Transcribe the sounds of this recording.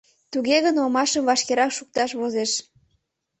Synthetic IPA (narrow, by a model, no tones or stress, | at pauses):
t̪uɣeɣənomɑʃəmvɑʃkeɾɑkʃuk̚t̪ɑʃβozeʃ